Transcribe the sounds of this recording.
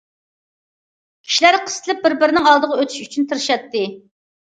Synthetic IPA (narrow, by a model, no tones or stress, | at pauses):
kʲʰi̥ʃilæɾqʰə̥st̪ʰɨlɪp̚bɪɾbɪɾnɪŋɑlˠd̪əʁɑøt̪ʰy̥ʃyt͡ʃʰynt̪ʰɨɾɨʃɑt̪ːɨ